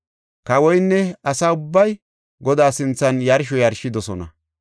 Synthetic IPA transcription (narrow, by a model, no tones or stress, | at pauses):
kɐwɔjnːɛɐsaːʊbːɐj | ɡɔd̪aːsɪnt͡sːɐnjɐɾʃ̬ɔjɐɾʃɪd̪ɔsɔnɐ